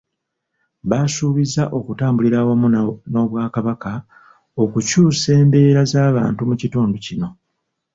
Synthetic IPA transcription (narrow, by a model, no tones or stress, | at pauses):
βasuːβizaʔo̞kutaːmbuliɾawamuno̞βwaːkaβaka | o̞kucuːse̞ːmbe̞ːɾazaːβa̰ːntumucituːnducino̞